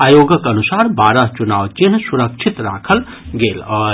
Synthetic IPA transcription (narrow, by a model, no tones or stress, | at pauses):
aːjoːɡəkənusaːɾbaːɾəɦt͡ʃunaːʋt͡ʃinsuɾəkt͡ʃʰit̪ɾa̰ːkʰəl | ɡeːlɔː